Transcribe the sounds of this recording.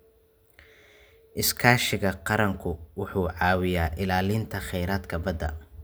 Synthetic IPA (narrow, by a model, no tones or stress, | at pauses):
ʔɪskʰaːʃɪɣɐqɑɾɐŋkʰʊwʊħuːʕɑːwɪjaːʔɪlaːlɪnt̪ʰɐχɛjɾaːd̪kʰɐbɐd̪ɐ̰